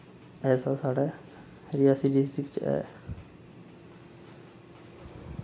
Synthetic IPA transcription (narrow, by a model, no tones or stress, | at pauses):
ɛːsasaɽɛ | ɾijasiɖisʈɾikt͡ʃɛ̰ː